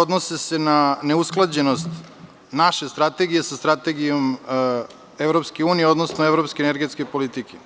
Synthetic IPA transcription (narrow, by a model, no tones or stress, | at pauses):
od̪nosese̞naneusklˠad͡ʑe̞nost̪ | naʃe̞st̪ɾat̪e̞ɡije̞sast̪ɾat̪e̞ɡijom | evɾopskeuːnijeo̞d̪nosnoevɾopskeneɾɡe̞t̪skepolit̪ike